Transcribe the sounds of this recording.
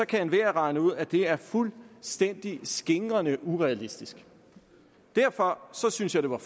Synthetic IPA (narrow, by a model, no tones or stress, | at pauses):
ɒ̽kʰæenʋeɐʁɑ̈ɪnəuð̞̰ˠæd̥e̝æɐfulsd̥en̰d̥isɡ̥e̝ŋʁɐnəʔuʁɛælisd̥isɡ̥ | d̥æɐfɒ̽sɒ̽synsjɑaɪd̥e̝ʋɑ̈